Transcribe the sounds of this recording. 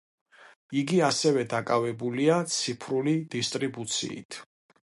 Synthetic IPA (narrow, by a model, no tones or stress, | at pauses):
iɡiasɛvɛd̪akʼavɛbuliat̪sʰipʰɾulid̪̥ist̪ʼɾibut̪sʰḭḭt̪ʰ